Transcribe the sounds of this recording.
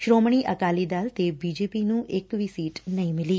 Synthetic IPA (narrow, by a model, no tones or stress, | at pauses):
ʃɾomɳ̃iʔəkalid̪alt̪ebid͡ʒepinũʔekʋisiʈnəɦĩmɪli